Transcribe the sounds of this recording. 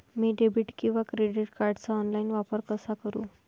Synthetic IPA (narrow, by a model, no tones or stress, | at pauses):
miːɖebʱiʈkĩw̃ʋakɾeɖiʈkaɾɖt͡saɔnlainʋapəɾkəsakəɾũː